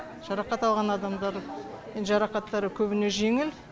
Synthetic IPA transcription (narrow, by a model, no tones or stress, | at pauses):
ʒ̥ɑɾɑqɑt̪ɑlˠʁɑnɑd̪ɑmd̪ɑɾmenʒɑɾɑqɑt̪ːɑɾəkʲʰɵbɪne̞ʒe̞ŋɪl